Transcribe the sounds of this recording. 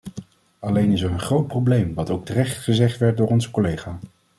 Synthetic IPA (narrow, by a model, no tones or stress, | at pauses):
ɑlejnɪsɛɹənχrowt̚prowblejmʋɑtowk̚tərɛχtχəzɛχtʋɛɹt̚dʊːɹɔnzəkolejχaː